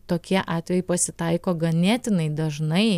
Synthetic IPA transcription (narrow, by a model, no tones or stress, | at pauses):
t̪oːkʲiɛʔɑːt̪ʲʋʲɛjɛɪpɐsʲɪt̪ɐɪkoːɡɐnʲæːt̪ʲɪnɐɪd̪ɐʒnɐɪ